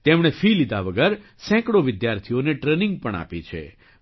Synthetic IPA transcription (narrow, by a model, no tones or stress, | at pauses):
t̪emɽ̃efʰilid̪aʋəɡəɾ | sɛ̃kɽoʋɪd̪jaɾt̪ʰijoneʈɾenɪ̃ŋɡ̚pəɳ̃a̰pit͡ʃʰḛ